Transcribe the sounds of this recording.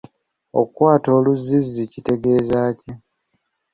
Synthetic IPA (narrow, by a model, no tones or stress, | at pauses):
o̞̰kwaːtoːluzːizːicite̞ɡe̞ːzaːci